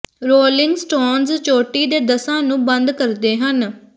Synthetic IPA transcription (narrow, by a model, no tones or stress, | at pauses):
ɾoːlɪŋɡsʈoːnzt͡ʃoːʈiːd̪eːd̪əsãːnũːbənd̪kəɾd̪eːɦən